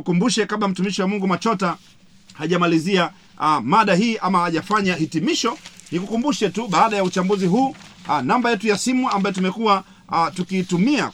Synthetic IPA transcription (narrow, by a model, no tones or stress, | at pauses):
kumbuʃɛkaɓlam̩tumiʃiwamuŋɡumat͡ʃɔta | haʄamalizia | maɗahiːʔamaaʄafaɲahitimiʃɔnikukumbuʃɛtuɓaːɗajaut͡ʃambuziɦuːnambajɛtujasimuambajɔtumɛkuwa | tukiːtumia